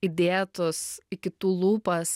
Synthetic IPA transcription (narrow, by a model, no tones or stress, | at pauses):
ɪd̪ʲeːt̪ʊsɪkʲɪt̪uːlˠuːpɐs